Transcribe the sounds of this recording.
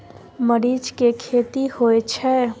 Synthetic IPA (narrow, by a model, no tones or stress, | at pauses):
məɾiːd͡ʒkekʰeːt̪ihoet͡ʃʰɛː